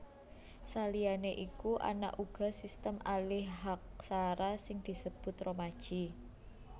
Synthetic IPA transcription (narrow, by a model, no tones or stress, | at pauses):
salijaneʔikuʔa̰na̰ʔuɡ̥ɔ̤sist̪əmalɪhɦak̚saɾasɪŋd̪̥i̤səb̥ʊ̤t̪romad̥ʒ̥i̤